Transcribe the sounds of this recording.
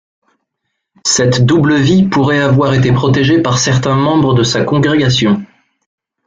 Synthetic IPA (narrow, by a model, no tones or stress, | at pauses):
sɛt̪d̪ubləvipuʁɛavwaʁet̪epχɔt̪eʒepaʁsɛʁt̪ɛ̃mɑ̃bʁəd̪əsakɔ̃ɡʁeɡasjɔ̃